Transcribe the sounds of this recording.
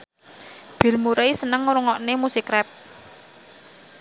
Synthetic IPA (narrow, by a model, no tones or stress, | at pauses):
b̥i̤lmuɾeisənəŋɾuŋɔʔnemusikɾɛp̚